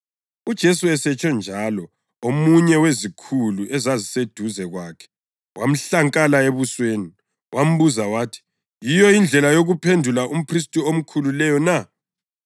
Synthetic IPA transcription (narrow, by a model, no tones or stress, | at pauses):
ud̥ʒ̥ʱesuɛsɛt͡ʃʼɔnd͡ʒʱalɔ | omuɲɛwezikʰuluʔɛzazised̥ʱuzɛɣwaːkʰɛ̥ | wʔam̩ɬaŋkʼalaeβusweːni | wʔam̩βuzawaːtʰi̥ | jijɔind͡ɮʱɛlajoɣupʰendʱulaʔum̩pʰris̬tʼiom̩kʰululɛjɔna